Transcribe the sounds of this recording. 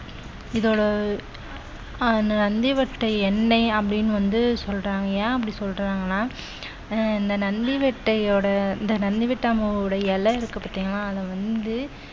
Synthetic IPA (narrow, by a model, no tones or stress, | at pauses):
ɪðoːɽɐ | nɐnɐnd̪ɪʋɛʈːɐɪɛnːɐɪɐpːɐɽɪnːɯʋɐnd̪ɯsɔlːɾaːŋɡɐjaːɐpːɐɽĩsɔlrɐɾaːŋɡɐnːaː | ɪnd̪ɐnɐnd̪ɪʋɛʈːɐɪoːɽɐɪnd̪ɐnɐnd̪ɪʋɛʈːɐmɐɽɐjɛlːɐɪɾɯkːɐpːaːɾt̪iːŋɡɐlãːɐðɐʋɐnd̪ɯ